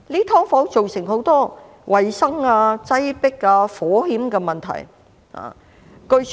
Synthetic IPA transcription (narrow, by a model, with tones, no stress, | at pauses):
liː˥t̪ʰɔː˥ŋfɔː˨˥wt͡ʃo˨wsɪ˨˩ŋɦo˨˥wt̪ɔː˥ | wʔɐ˨jsɐ˥ŋaː˧t͡sɐ˥jpɪ˥kːaː˧fɔː˨˥hiː˨˥mkɛː˧mɐ˨˩nt̪ʰɐ̰˨˩j | ha̰ː˨ | kɵ˧ɥ